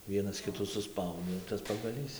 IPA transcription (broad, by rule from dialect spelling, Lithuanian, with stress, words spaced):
ˈʋʲiɛnɐs ˈkʲɪtuː sʊˈspɐʊdʲeː tɐs pɐɡɐˈlʲiːs